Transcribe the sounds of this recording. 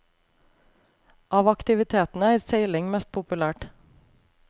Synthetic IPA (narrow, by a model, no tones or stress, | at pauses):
ʔɑːʋɑkt̪ɪʋɪt̪ʰeːt̪n̩əæɪɾseɪlɪŋmɛst̪̚pʰʊpʉlæːʈ